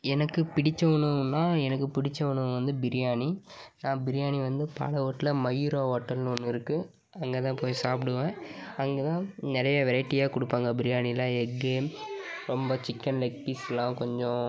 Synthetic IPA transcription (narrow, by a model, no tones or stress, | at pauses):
ɛnɐkːɯpɪɽɪt͡ʃːɐʋɐɳɯnːaːɛnɐkːɯpɪɽɪt͡ʃːɐʋɐɳɯ̃ʋɐnd̪ɯbɪɾɪjaːninãːbɪɾɪjaːɳiʋɐnd̪ɯpɐ̰lɐoːʈːlɐmɐjɾoːɦoːʈːɐlnɔnːɯɪɾɯkːɯ | ɐŋɡeːt̪ãːpoːjsaːpɪɽɯʋẽːɐŋɡeːt̪ãːnɪɾɐjɐʋɛɾɐɪʈːijaːkʊɽɯpːaːŋɡɐbɪɾɪjaːnilaːɛɡeːmɾɔmbɐt͡ʃɪkːɐnlɐk̚ʈisɛlːãːkɔɲd͡ʒɔ̃